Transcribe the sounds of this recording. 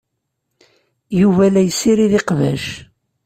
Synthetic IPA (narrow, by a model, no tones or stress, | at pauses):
juvælæjəsːiɾiðiqvæ̰ʃ